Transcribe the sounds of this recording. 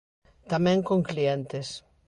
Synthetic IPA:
t̪amẽŋkõŋkliẽnt̪es

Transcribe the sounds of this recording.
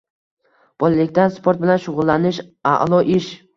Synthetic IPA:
b̥ɒlalɪkʲt̪anspʰoɾt̪̚bɪlanʃʊʁʊlˠːanɪʃa̰ʔlˠɒʔɪʃ

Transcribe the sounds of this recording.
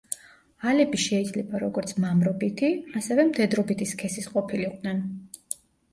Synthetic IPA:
alɛbiʃɛid̪zlɛbaɾɔɡɔɾt̪sʰmamɾɔbit̪ʰiasɛvɛmt̪ʰʼɛd̪ɾɔbit̪ʰiskʰɛsisqʼɔpʰiliq̪ʼnɛn

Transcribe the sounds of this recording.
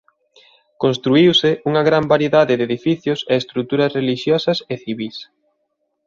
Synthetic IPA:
konst̪ɾuiwsɪʔuŋɐɣɾambaɾjeðaðɪdeðifiθjʊseest̪ɾut̪uɾɐsreliʃjɔsɐseθiβis

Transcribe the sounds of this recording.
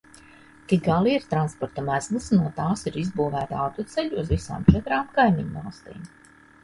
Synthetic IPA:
t̪ik̚ɡalˠiiɾt̪ɾanspɔɾt̪ɐmæzlˠɨsnuɔt̪aːsiɾizbuːvæːt̪awt̪ut̪sɛʎuːzvisa̰ːmt͡ʃɛt̪ɾaːmkajmiɲvalˠst̪ḭːm

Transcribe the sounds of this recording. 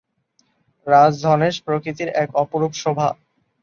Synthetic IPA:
ɾad͡ʑd̪ʱɔneʃpɾokɾit̪iɾɛkɔpoɾupʃobʱa

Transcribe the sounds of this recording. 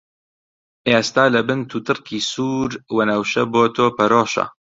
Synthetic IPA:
ʔeːst̪aːlɐbɨnt̪ʰuːt̪ʰɨrkʰiːsuːɾwɐnɐwʃɐboːt̪ʰoːpɐɾoːʃɐ̰

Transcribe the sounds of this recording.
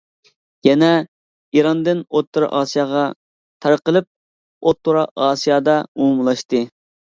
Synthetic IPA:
jɛnɛ | iɾɑnd̪ɨnot̪ʰːuɾɑ̰ʔɑːsijɑːʁɑ | t̪ʰɑɾqəlˠɨp̚ | ot̪ʰːoɾɑʔɑːsijɑːd̪ɑumumlˠɑʃt̪ɨ

